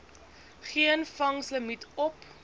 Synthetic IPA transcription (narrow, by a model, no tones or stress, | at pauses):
χiənfɐŋsləmitɔp